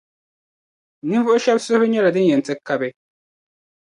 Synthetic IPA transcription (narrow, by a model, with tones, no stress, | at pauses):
ni˦vu˦ʔo˦ʃa˦bso˦be˦ɲɛ˦la˨dɨ˦n˦jɛ˨ntɛ˦kːa˦bɛ˦